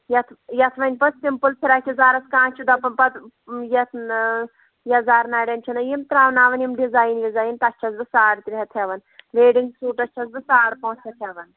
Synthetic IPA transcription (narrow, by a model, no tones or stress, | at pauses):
jɐt̪ʰjɐt̪ʰʋɐnʲpɐt̪simpɨlt̪ʰiɾaːt͡ʃʲʰizaːɾɐskãːt͡ʃʰid̪ɐpɐnpɐt̪ | jɐt̪ʰ | jɐzaːɾnaːɽʲent͡ʃʰinɐjimt̪ɾaːʋnaːʋɐnjimɖizaːjnʋizaːjnt̪ɐt͡ʃʰɐzbisaːɽt̪ɾiɦɛt̪ʰeʋɐnʋeːɖiŋɡsuːʈɐt͡ʃʰɐz̬bɨsaːɽpɐũt͡ʃʰɐt̪ʰeʋɐn